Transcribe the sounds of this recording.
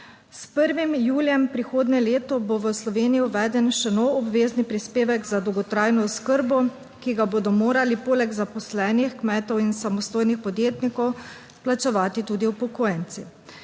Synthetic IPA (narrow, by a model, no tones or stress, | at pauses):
spəɾʋimjuːljɛmpɾixoːd̪nɛleːt̪ɔboʋəslɔʋeːnijiuʋɛːd̪ɛnʃɛnoɔbʋeːznipɾispeːʋɛɡzad̪ɔwɡɔt̪ɾaːjnɔskəɾbɔ | kiɡaboːd̪ɔmoːɾalipoːlɛɡzapɔslɛːnixkmɛːt̪ɔwinsamɔst̪oːjnixpɔd̪jeːt̪nikɔw | plat͡ʃɛʋaːt̪it̪uːd̪iwpɔkoːjɛnt̪si